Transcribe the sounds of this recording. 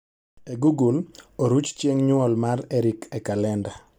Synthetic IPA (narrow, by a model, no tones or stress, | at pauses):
eɡuɡuloɾut͡ʃt͡ʃeŋɲʊɔlmarɛɾikɛkalɛnda